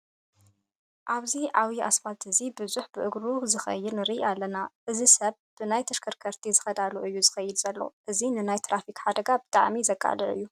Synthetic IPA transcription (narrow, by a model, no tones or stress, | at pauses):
ʔaβziʔawiʔa̰sbat̪ʰɨzibɨzuħbɨʔɨɡɾuzɨxɐ̰jːɨd̪nɨɾialːɐnaʔɨzisɐβ | b̥ɨnajt̪ʰɐʃkʰɐɾkʰɐɾt̪ʰizɨxɐd̪aluʔɨjːuzɨxɐjɪd̪z̥ɐlːo̰ʔɨzinɨnajt̪ɾafikħad̪ɐɡabɨt̪ʼa̰ʕmizɐkʼːa̰lɨʔɨ̰jːu